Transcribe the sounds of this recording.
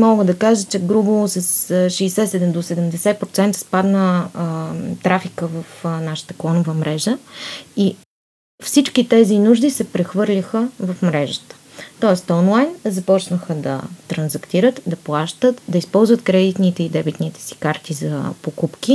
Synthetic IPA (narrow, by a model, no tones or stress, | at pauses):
mɔɡəd̪ɐkaʒət͡ʃɛɡɾubəlˠosɐsʃɛːsɛt̪sɛd̪ɛd̪osɛd̪ɛmd̪ɛsɛt̪pɾot̪sɛnt̪ə̥spad̪nə | t̪ɾafikəvɐfnaʃə̥t̪ə̥klˠɔnʊvəmɾɛʒəi | fsit͡ʃkit̪ɛzinuʒd̪isɛpɾɛxvɤɾlʲixəvɐfmɾɛʒət̪ə̥ | t̪ɔɛst̪ɔnlˠajnzɐpɔt͡ʃnəxəd̪ɐ̰t̪ɾɐnzɐkt̪iɾət̪d̪ɐplˠaʃt̪ət̪d̪ɐispɔlˠzvət̪kɾɛd̪it̪nit̪ɛid̪ɛbit̪nit̪ɛ̥si̥kaɾt̪izɐpokupki